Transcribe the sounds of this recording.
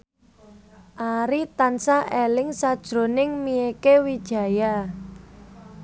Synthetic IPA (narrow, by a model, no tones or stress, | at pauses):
ʔaɾit̪ansaʔelɪŋsad̥ʒ̥ɾo̤nɪŋmiekewid̥ʒ̥a̤ja